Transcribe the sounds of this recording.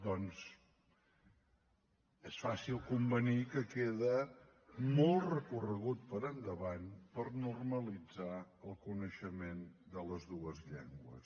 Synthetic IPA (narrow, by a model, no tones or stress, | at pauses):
d̪ɔnz | esfasilˠkumbənikəkeðə | molˠtrəkurəɣut̪̚pəɾənd̪əβanpəɾnurməlid͡zaəlˠkunəʃəmend̪ələzðuəzʎɛ̰ŋɡwə̰s